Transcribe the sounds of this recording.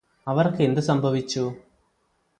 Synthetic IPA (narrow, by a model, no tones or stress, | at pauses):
ɐʋɐrke̞nd̪ɨsɐmbʱɐʋit͡ɕːu